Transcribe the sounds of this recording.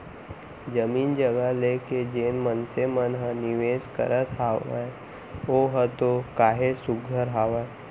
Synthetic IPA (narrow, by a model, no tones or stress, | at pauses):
d͡ʒəmiːnd͡ʒəɡəɦleked͡ʒeːnmənsemənɦə̃nɪʋeːskə̰ɾət̪ɦaːa̰ | oɦət̪okaːɦesʊɡʱəɾɦaːʋae